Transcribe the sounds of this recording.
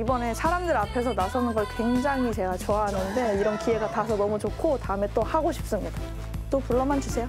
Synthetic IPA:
ibʌne̞sʰaɾamdɯɾapʰe̞sʰʌnasʰʌnɯnɡʌɭkwe̞ŋd͡ʑaŋit͡ɕe̞ɡat͡ɕʌaɦanɯnde̞iɾʌnkie̞ɡatasʰʌnʌmut͡ɕokʰotaɯme̞t͈ohaɡoɕʰi̥p̚s͈ɯmɲida | t͈opuɭːʌmant͡ɕisʰe̞jo

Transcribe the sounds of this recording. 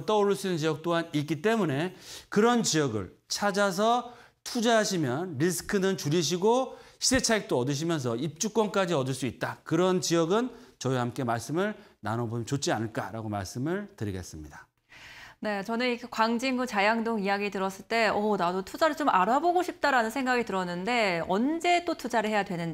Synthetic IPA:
t͈ʌoɾuɭs͈uinɯnt͡ɕijʌk̚t͈oɦanik͈it͈e̞mune̞kɯɾʌnt͡ɕijʌɡɯ̰ɭt͡ɕʰad͡ʑas̬ʰʌ | tʰud͡ʑaɦaɕʰimjʌnɾisʰɯ̥kʰɯnɯnt͡ɕuɾiɕ̬ʰiɡoɕʰide̞t͡ɕʰaik̚t͈oʌdɯɕ̬ʰimjʌns̬ʰʌip̚t͡ɕ͈uk͈wʌnk͈ad͡ʑiʌdɯɭs͈uit̚t͈akɯɾʌnt͡ɕiʌɡɯnt͡ɕʌihamk͈e̞maɭs͈ɯmɯɭna̰nʌbomt͡ɕot͡ɕ͈ianɯɭk͈a̰ɾa̰ɡoma̰ɭs͈ɯmɯɭtɯɾiɡe̞̰s͈ɯmɲida | ne̞t͡ɕʌnɯnikʰekwaŋd͡ʑimɡut͡ɕajaŋdoŋijaɡitɯɾʌs͈ɯɭt͈e̞ʌnadotʰud͡ʑaɾɯɭt͡ɕomʔaɾaboɡoɕʰip̚t͈aɾanɯnsʰeŋɡaɡitɯɾʌnːɯnde̞ʌnd͡ʑe̞t͈otʰud͡ʑaɾɯɭɦejadwe̞nɯn

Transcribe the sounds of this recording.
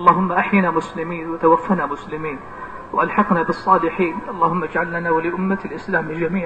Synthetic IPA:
ʔɑlˤːɑːɦʊmːaʔaħjɪnamʊslɪmiːnwat̪awafːanamʊslɪmiːn | waʔalħɑqnabɨsˤːɑːlɪħiːnʔɑlˤːɑːhʊmːad͡ʒʕalːanawalɪʔʊmːalʔɪslaːmd͡ʒamiːʕ

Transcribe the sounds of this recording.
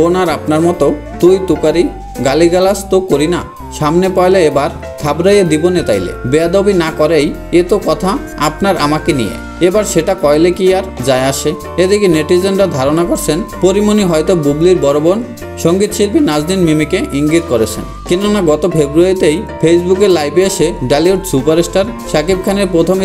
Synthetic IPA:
onaɾapnaɾmɔt̪o | t̪ujt̪ukaɾi | ɡaliɡalast̪okːoɾina | ʃamnepajleebaɾ | t̪ʰabɾajed̪ibonet̪ajlḛbead̪obinakɔɾej | et̪okɔt̪ʰa | apnaɾa̰makenḭjḛ | ebaɾʃeʈakɔjlekiaɾd͡ʑaeaʃe | ed̪ekineʈid͡ʑenɾad̪ʱaɾonakoɾt͡ɕʰenpoɾimoniɦɔjt̪obubliɾbɔɾobon | ʃoŋɡit̪ʃilpinad͡ʑd̪inmimikeʔiŋɡit̪koɾet͡ɕʰḛn | kinonaɡɔt̪ofʰebɾuaɾit̪ejpʰesbukeɾlajbeʃeɖaliuʈsupaɾesʈaɾʃakib̚kʰaneɾpɾot̪ʰom

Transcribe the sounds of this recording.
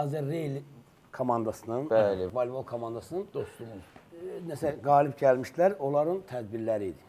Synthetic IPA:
ɑzeɾːejl | kʰomɑnd̪ɑsɯnɯnælevalʲvolˠkʰomɑnd̪ɑsɯnɯnd̪̥ost̪umunæsælɡɑːlibɟælmiʃd̪ilæɾo̞lˠɑɾɯnt̪ʰæd̪biɾlæɾiːd̪i

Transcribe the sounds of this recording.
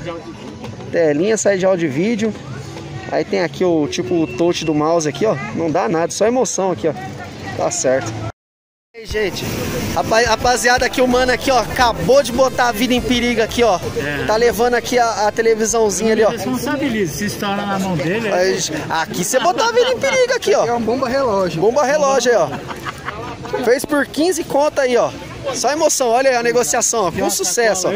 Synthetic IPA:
t̪ɛlĩɲɐsaid͡ʒɪawd͡ʒʊvid͡ʒʊ | a̰it̪ẽj̃akiʊt͡ʃipʊːt̪ot͡ʃɪd̪ʊmawzɪakiɔnɐ̃w̃d̪anad̪ɐsɔemosɐ̃w̃akiɔt̪a̰sɛɾt̪ʊ̥ | aiʒẽt͡ʃɪ̥abaabaziad̪ɐakiʊmɐ̃nakiɔkabod͡ʒɪbot̪aavid̪ɐẽpiɾiɡɐakiɔɛt̪alevɐ̃d̪ʊakiaːt̪elevizɐ̃w̃zĩɲɐaliɔespõsabilizɐsɪist̪aɾɐ̃namɐ̃w̃d̪elaa̰kisebot̪oavid̪ɐẽpiɾiɡɐakiɔɛ̃bõbɐɦelɔʒbõbɐhelɔʒɐjɔ | fejspʊɾkĩzɪkõt̪aiɔ | sɔɐemosɐ̃w̃ɔʎɐiɐneɡosiasɐ̃w̃ɔkõsusɛsʊɔ

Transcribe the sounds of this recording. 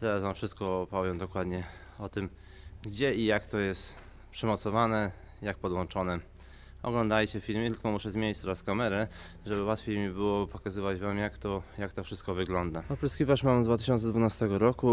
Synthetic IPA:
t̪ɛazvamfʂɘst̪̚kɔpɔvʲjɛmd̪ɔkwad̪ɲɛ | ɔt̪ɘm | ɡd͡ʑɛijakt̪ɔjɛst̪ | pʂɛmɔt̪sɔvanɛ | jak̚pɔd̪wɔnt͡ʂɔnɛ | ɔ̰ɡlɔnd̪ajt͡ɕɛfʲilmɛt̪ɘlkɔmuʂɛzmʲjeɲit͡ɕt̪ɔɾaskamɛɾɛ | ʐɛbɘwat̪fʲjejmʲibɘwɔpɔkazɘvad͡ʑvamjakt̪ɔjakt̪ɔfʂɘst̪kɔvɘɡlɔnd̪aɔpɾɔskʲivaʂmamd̪vat̪ɘɕɔnt̪sɛd̪vunast̪ɛɡɔɾɔku

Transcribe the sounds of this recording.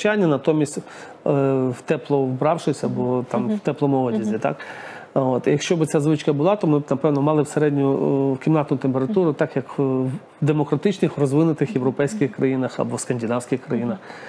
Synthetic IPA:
t͡ʃanʲːɐnɐt̪ɔmʲisʲtʲ | wt̪ɛplˠɔwbɾɑwʃɪsʲɐbɔt̪ɑmwt̪ɛplˠɔmʊɔdʲɐzʲit̪ɑ̰k | ot̪jɐkʃt͡ʃɔbɪtsʲazʋɪt͡ʃkɐbʊlˠɑt̪ɔmɪbnɐpɛwnɔmɑlˠɪwseɾɛdʲnʲʊkʲimnɑt̪nʊt̪empe̞ɾɐt̪uɾʊt̪ɑkjɐk | d̪emɔkɾɐt̪ɪt͡ʃnɪxrɔzʋɪnʊt̪ɪxjeʋɾɔpɛjsʲkʲɪxkɾɐjinɐxɐ̰bɔskɐnʲdʲinɑwsʲkʲɪxkɾɐjinɐx

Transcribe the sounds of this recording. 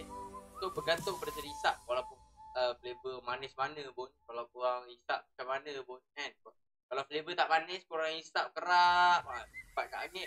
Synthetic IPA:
sobəɡant̪ʊŋpədasəlisaʔ̚walawpʊnəflebəmanɪsmanə̃bʊnkalawkuɾaŋisaʔ̚mat͡ʃamanəbɔnɛnkʊ | kalawflebət̪aʔmanɪskuɾaŋisap̚kəɾaʔwaəpat̪̚ka̰ʔaŋɛʔ

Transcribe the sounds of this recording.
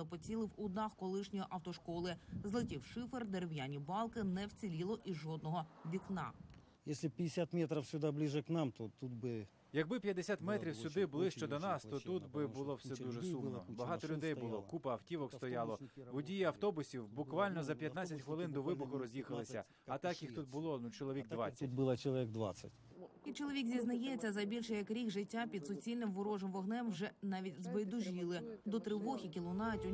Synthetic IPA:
ɐpɔt͡sʲilˠɪwʊd̪nɑxkɔlˠɪʃnʲɔjiʔɐwt̪ɔʃkɔlˠɪzlˠɪtʲɪwʃɪferd̪eɾewjanʲibɑlˠkɪnɛwt͡sʲilʲilˠɔʔiʒɔd̪nɔɦɔbʲiknɑ̰ | jesʲlʲɪpʲɪdʲɪsʲat̪mʲet̪ɾɐfsʲʊd̪ablʲiʐəknamt̪ot̪ut̪bɨ | jɐɡ̚bɪpʲjɐd̪ːesʲat̪mɛt̪ɾʲiwsʲʊd̪ɪbʊlˠɪʃt͡ʃɔd̪ɔnɑst̪ɔt̪ut̪bɪbʊlˠɔwsɛd̪uʒɛsummɔbɐɦɑt̪ɔlʲʊd̪ɛjbʊlˠɔkupɐɐwtʲiʋɔkst̪ɔjɑlˠɔʋʊdʲijiɐwt̪ɔbʊsʲiwbʊkʋɑlʲnɔzɐpʲjɐt̪nɑt͡sʲɐtʲxʋɪlˠɪnd̪ɔʋɪbʊxʊɾɔzʲjixɐlˠɪsʲɐ | ɐt̪ɑkjixt̪ut̪̚bʊlˠɔnut͡ʃɔlˠɔʋʲik̚d̪ʋɑ̰t͡sʲːɐbʊlˠɐt͡ʃɔlˠɔʋʲiɡ̚d̪ʋa̰t͡sʲːɐtʲ | it͡ʃɔlˠɔʋʲikzʲiznɐjɛt͡sʲːɐzɐbʲilʲʃɛjɐkɾʲikʐɪtʲːapʲid̪sʊt͡sʲilʲnɪmʋʊɾɔʒɔmʋɔɦnɛmwʒɛnɑʋʲitʲzʋɪd̪ʊʒʲilˠɪd̪ɔt̪ɾɪʋɔxʲik̬ʲilˠʊnɑtʲʊ

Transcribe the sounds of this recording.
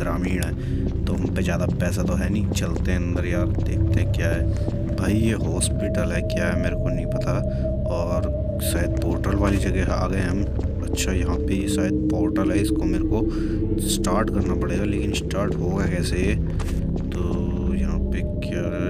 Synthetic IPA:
d̪ɾaːmiːɽɦɛː | t̪oɦɐmpezjaːd̪apɛːsat̪oɦɛːnĩt͡ʃɐlt̪eɦɛ̃ɐ̃nd̪əɾjaːɾd̪ḛːk̚ʰt̪eɦɛ̃kjaːɦɛː | bʱaːijeɦɔːspɪʈəlɦɛkjaːɦɛmeːɾekonɐɦĩpɐt̪ʰa | ɔːɾ | saːjəd̪̚poːɾʈəlʋaːlid͡ʒɐɡɛɦa̰ːɡəeɦɐm | ɐtːʃʰajɐɦãpesaːjəd̪̚poːɾʈəlɦɛɪskomeːɾeko | sʈaːɾʈkɐɾnapɐɽeːɡaleːkɪnɪsʈaːɾʈɦoːɡɦɛkɛːsee | t̪oː | jɐɦãpekj

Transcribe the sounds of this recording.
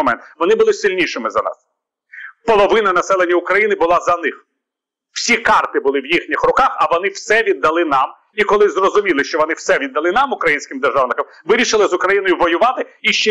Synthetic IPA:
ɔmɛ̰nt̪ʋɔnɪbʊlˠɪsɪlʲnʲiʃɪmɪzɐ̰nɑ̰s | pɔlˠɔʋɪnɐnɐsɛlˠenʲːɐʊkɾɐjinɪbʊlˠɑzɐnɪx | w̥sʲikɑrt̪ɪbʊlˠɪwjixnʲixrʊkɑxɐʋɔnɪwsɛʋʲid̪ːɐlˠɪnɑm | ikɔlˠɪzrɔzʊmʲilˠɪʃt͡ʃɔʋɔnɪwsɛʋʲid̪ːɐlˠɪnɑmʊkɾɐjinʲsʲkɪmd̪erʒɑwnɪkɐm | ʋɪɾʲiʃɪlˠɪzʊkɾɐjinɔjʊʋɔjʊʋɑt̪ɪiʃt͡ʃɛ

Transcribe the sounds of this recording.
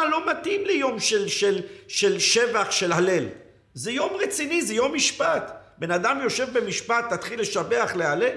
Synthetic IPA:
alo̞mat̪imlejo̞mʃelʃelʃelʃevaχʃelhale̞l | zejo̞mʁet͡sinizejo̞mːiʃpat̪be̞nad̪amjo̞ʃe̞vbe̞miʃpat̪ːat̪χilːe̞ʃabe̞aχlealel

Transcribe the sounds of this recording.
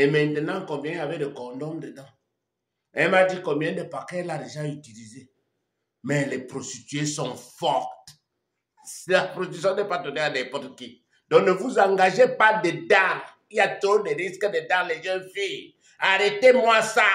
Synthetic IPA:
emɛ̃nt̪ənɑ̃kɔ̃mbjɛ̃ijavɛdəkɔ̃dɔmd̪ədã | ɛmadikɔ̃mbjɛ̃d̪əpaʁkɛladeʒaytilize | mɛlɛpɾostit̪ɥesɔ̃fɔʁt̪ | slapɾostitsjɔ̃nɛpatodeadɛpɔtki | d̥ɔ̃knəvuzãŋɡaʒepadedaʁ | iat̪odeɾiskədedaʁleʒɛnfi | aʁetemwasa

